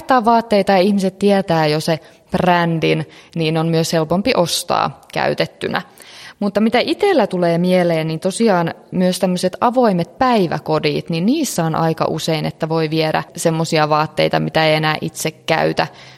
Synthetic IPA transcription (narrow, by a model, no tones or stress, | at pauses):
t̪ːˑɑːʋʋɑːt̪ːeit̪ɑjɑihmiset̪t̪iɛt̪æːjose | prændinniːnonmyøshelpompiʔost̪ɑ̰ːkæ̰yt̪et̪ːynæ̰mut̪ːɑmit̪æʔit̪elːæt̪uleːmieleːnnint̪osiɑːnmyøst̪æmːøset̪ɑʋoimet̪̚pæiʋæ̰kodḭːt̪ninniːsːæonʔɑ̰ikɑ̰ʔṵseinet̪ːæʋo̞iʋieɾæ̰semːosiɑʋɑːt̪ːeit̪ɑmit̪æejenæːʔit̪sekkæ̰yt̪æ̰